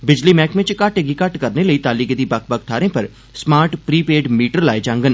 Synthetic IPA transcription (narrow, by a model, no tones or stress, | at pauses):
bɪd͡ʒliːmɛːkʋɪ̃t͡ʃkəʈəɡiːkəʈkəɾneːləiːt̪aːliːkd̪iːbək̚ʰbəkʰt̪ʰaːɾẽːpəɾ | smaːɾʈpɾiːpeːɖmiːʈəɾlaːed͡ʒãːŋɡən